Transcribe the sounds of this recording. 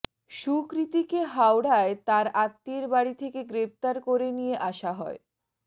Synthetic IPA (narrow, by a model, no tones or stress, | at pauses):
ʃukɾit̪ikeɦawɽaet̪aɾat̪ːeɾbaɽit̪ʰekeɡɾep̚t̪aɾkoɾenijeʔaʃaɦɔe